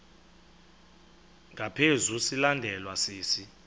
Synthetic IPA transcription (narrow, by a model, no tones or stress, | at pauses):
ŋɡʱapʰezusilandʱɛlwaseːsi